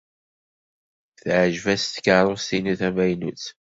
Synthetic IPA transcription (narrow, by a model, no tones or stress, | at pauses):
θʕʒvæst̪ə̥kəɾˤost̪inuθæmæjnut͡s